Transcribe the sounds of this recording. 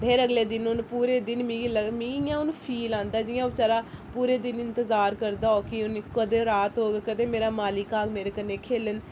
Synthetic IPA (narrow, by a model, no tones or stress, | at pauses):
bʱeːɾəɡleːd̪ɪnʊnpuːɾeːd̪ɪnmĩːləɡmĩːɪjãːʊnpʰiːlãːnd̪aːd͡ʒɪjãːʊt͡ʃaːɾaːpuːɾeːd̪ɪnɪnt̪əzaːɾkəɾd̪aːoːkɪʊnkəd̪eːɾaːt̪ɦoːɡeːkəd̪eːmeːɾaːmaːlɪkaːɡmeːɾeːkənːẽːkʰeːlən